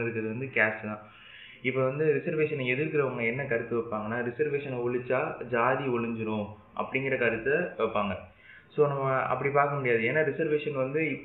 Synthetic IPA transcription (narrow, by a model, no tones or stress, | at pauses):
ɪɾɯkːɾɐðɯʋɐnd̪ɯkaːt͡ʃt̪ãː | ɪpːoʋɐnd̪ɯɾɪsɐɾʋeːʂɐnɛɛðɪɾkɪɾɐʊŋɡɐɛnːɐkɐɾɯt̪ːɯʋɛːpːaːŋɡɐnːaːɾɪsɐɾʋeːʂɐnɐɔɭɯt͡ʃːaːd͡ʒaːðiɔɭɯɲd͡ʒɪɾʊ̃ | ʔɐ̰pːɐɽɪŋɡɪɾɐkɐɾɯt̪ːɐʋɛpːaːŋɡɐ | soːnɐmːɐɐ̰pːɐɽipaːɾkɐmʊɽɪjaːðɯeːnːaːɾɪsɐɾʋeːʂɐnʋɐnd̪ɯɪpː